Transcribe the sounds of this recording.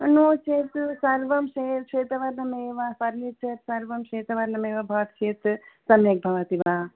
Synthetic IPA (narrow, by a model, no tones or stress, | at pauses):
noːt͡ʃʰeːt̪sɐɾʋɐmʃeːt̪̚kʂʰeːt̪ɐʋɐɾnɐmeːʋapɐɾmit̪̚t͡ʃet̪sɐɾʋɐmʃeːt̪ɐʋɐɾnɐmeːʋɐbʱɐʋɐt̪t͡ʃʰeːt̪sɐmjek̚bʱɐʋɐt̪iʋa